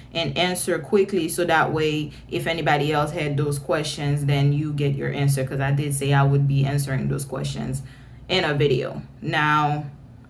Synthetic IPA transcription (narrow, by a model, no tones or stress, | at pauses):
ʔɨ̃næ̃nsə˞kʰw̥ɪklisoʊðəʔweɪ | ʔɨfɛnibɑɾiɛlˠshɨd̪̚ðoʊz̥kʰw̥ɛst͡ʃɨ̃nzðɨ̃njɨɡɛt͡ʃə̰˞ʔæ̃ns̬ə˞kʰʌzaɪdɨd̥seɪaɪwəd̚biæ̃nsə˞ɪ̃ŋðo̰ʊz̥kʰw̥ɛ̰st͡ʃɨ̰̃nz | ʔɪ̃nɨvɪɾio̰ʊnaʊ